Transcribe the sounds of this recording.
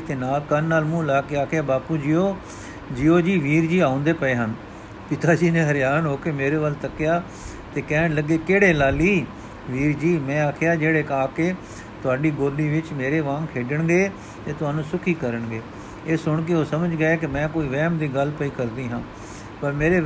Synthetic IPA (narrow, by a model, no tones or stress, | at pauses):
t̪enaːlkənːaːlmũːlaːkeaːkʰjaːbaːpuːd͡ʒiːoː | d͡ʒiːoːd͡ʒiːʋiːɾd͡ʒiːaːʊ̃nd̪eːpəeːɦən | pɪt̪aːd͡ʒiːnẽːɦəɾɪjaːnɦoːkeːmeːɾeːʋəlt̪əkjaː | t̪eːkɛːnləɡeːkeːɽeːlaːliː | ʋiːɾd͡ʒiːmɛ̃ːaːkʰɪjaːd͡ʒeːɽeːkaːkeː | t̪ʊɦaːɖiːɡoːlːiːʋɪt͡ʃmeːɾeːʋãːŋkʰeːɖəɳɡeː | t̪eːt̪ʊɦaːnũːsʊkʰiːkəɾəɳɡeː | eːsʊɳk̬eoːsəməd͡ʒɡəeːkɪmɛ̃ːkoːiːʋɛːmd̪iːɡəlpəiːkəɾd̪iːɦãː | pəɾmeːɾeː